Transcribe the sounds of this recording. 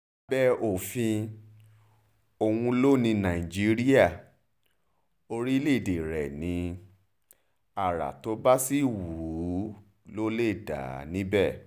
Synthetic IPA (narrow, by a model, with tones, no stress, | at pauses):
bɛ˦ʔo˨fĩ˧ | o˧wũ˧lo˦nĩ˧nã˨ĩ˨d͡ʒi˦ɾi˦a˦˨ | o˧ɾi˦le˦˨de˨ɾɛ˨nĩ˧ | a˨ɾa̰˨to˨˦ba˦si˦˨wu˨˦ | lo˦le˦˨da̰˨˦nĩ˦bɛ˦˨